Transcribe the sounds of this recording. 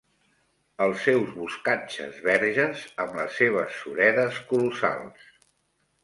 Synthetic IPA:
əlˠsɛwzβuskat͡ʃə̰zβɛɾʒəzəmləsːeβ̞əsːuɾɛðəskulusa̰lˠs

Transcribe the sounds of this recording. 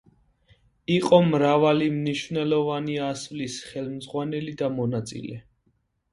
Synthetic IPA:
iqʼɔmɾavalimniʃvnɛlɔvaniasvlisχɛlmzʁwanɛlid̪amɔnat̪sʼḭlɛ̰

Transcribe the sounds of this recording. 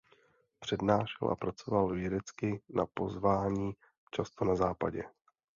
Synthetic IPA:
pr̝̥ɛdnaːʃɛ̰lʔa̰pɾat͡so̞valvjɛdɛt͡skɪnapo̞zvaːɲiː | t͡ʃast̪o̞nazaːpa̰ɟɛ

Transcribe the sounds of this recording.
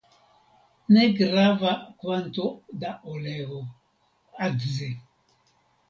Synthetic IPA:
nɛɡɾavakwant̪od̪aʔolɛɣo | aɡze

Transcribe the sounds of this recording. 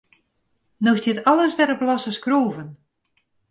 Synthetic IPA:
nostɪtɑləsʋɛɾəplɑsəskroːvən

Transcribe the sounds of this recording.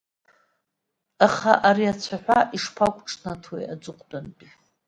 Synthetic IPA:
aχaʔaɾiat͡sʷʰaħʷᶣaʔiʂpʰakʷʼʈ͡ʂʰʼnatʰwḛjad͡zʷɨqʷʼdanpʼi

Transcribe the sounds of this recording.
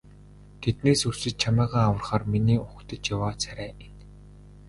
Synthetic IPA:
t̪ʰet̪neːsursɘ̆t͡ɕ̚t͡ɕʰamæːʁaːawə̆rχaːrminiːʔʊkt̪ə̆t͡ɕjawaːt͡sʰæɾæːen

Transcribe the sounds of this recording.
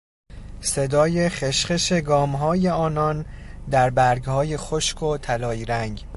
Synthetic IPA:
se̞d̪ɒːje̞χeʃχeʃe̞ɡɒːmɦɒːje̞ɒːnɒnd̪æɾbæɾɡhɒːjexoʃkʰo̞t̪ʰælɒːjiɾæŋɟ

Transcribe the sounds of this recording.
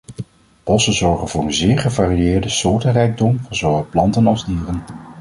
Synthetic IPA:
b̥ɔsənzɔɹχənvʊːɹənzɪːɹχəvaːriɪːɹdəsʊːɹtərɛjɡ̚dɔmvʊnzowəplɑntənɑlˠzdiːrən

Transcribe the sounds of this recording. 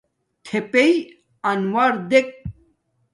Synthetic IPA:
t̪ʰepei | ɐnwaɾd̪ek̚

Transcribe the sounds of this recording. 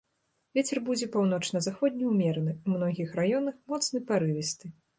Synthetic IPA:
vʲet͡sʲɛrbud͡zʲɛpawn̪ɔt͡ʂnɐzaxɔd̪ʲnʲiwmʲɛɾɐnɨumnɔɣʲixrajɔn̪ɐxmɔt̪snɨpaɾɨvʲɛst̪ɨ

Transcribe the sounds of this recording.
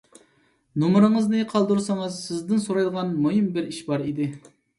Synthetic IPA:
numɾɨŋəznɨqʰɑlˠd̪uɾsɑŋɨzsɪzd̪ɪnsoɾɑjd̪əʁɑnmoɦimbɪɾiʃbɑɾid̪ɪ

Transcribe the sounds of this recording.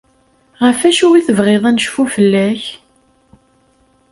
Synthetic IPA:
ʁəfæʃuwiθəvʁeðˤænəʃfufəlːæç

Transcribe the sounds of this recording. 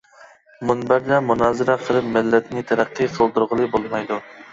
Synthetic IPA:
munbæɾd̪ɛmunɑːzɪɾɛqʰəlˠɨp̚mɪlːɛt̪nɪt̪ʰæɾæqːɨqʰəlˠd̪uɾʁəlˠɨbolˠmɑjd̪u

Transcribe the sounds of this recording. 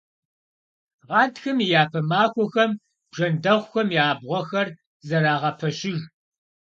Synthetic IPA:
ʁɑːdxɐmijaːpʰɐmaːxʷɔxɐm | b̥ʐɐndɐʁʷxɐmiaːbʁʷɔxɐr | zɐɾaːʁɐpʰɐɕɪɣ

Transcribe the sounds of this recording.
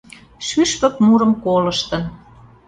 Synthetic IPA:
ʃyʃpə̆kmuɾəmkolə̆ʃt̪ə̆n

